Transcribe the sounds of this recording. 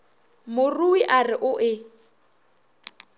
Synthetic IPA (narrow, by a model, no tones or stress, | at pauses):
mʊruwiʔarɪʔʊʔɪ